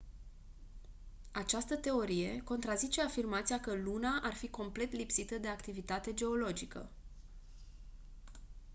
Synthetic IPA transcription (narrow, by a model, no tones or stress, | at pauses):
at͡ʃast̪ət̪e̞o̞ɾije̞ko̞nt̪ɾazit͡ʃe̞afirmat̪sijakəlunaʔarfiko̞mple̞t̪lipsit̪əd̪e̞akt̪ivit̪at̪e̞d͡ʒe̞o̞lo̞d͡ʒikə̰